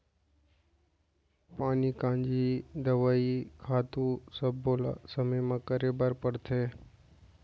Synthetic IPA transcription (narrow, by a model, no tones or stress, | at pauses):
paːnikãːnd͡ʒid̪əʋaːikʰaːt̪ũsəbːoːla̰səməjmãkəɾeːbaɾpəɽt̪ʰeː